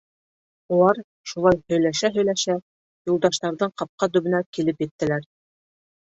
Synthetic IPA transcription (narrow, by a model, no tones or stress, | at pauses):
ulˠɑɾ | ʃulˠɑjhɵ̆jlæʃæɦɵ̆jlæʃæ | julˠd̪ɑʃt̪ɑɾðɤɴqɑp̚qɑt̪ɵ̆βɘ̆nækilɘpjɘ̆t̪ːɘ̆læɾ